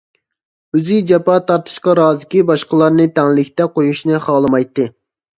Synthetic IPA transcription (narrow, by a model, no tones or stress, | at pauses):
øzɪd͡ʒɛpɑt̪ʰɑɾt̪ʰɨ̥ʃqɑɾɑːzɪkʲibɑʃqəlˠɑɾnɨt̪ʰɛŋlɪkʲt̪ɛqʰojuʃnɨχɑːlˠɨmɑjt̪ːɨ